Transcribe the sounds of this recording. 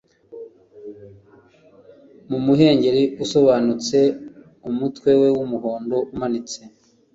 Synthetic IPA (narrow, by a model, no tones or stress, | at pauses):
mumuɦe̞ːɲɟe̞ɾiuso̞βaːnut͡se̞ | umutwe̞we̞wumuɦoːndo̞umanit͡se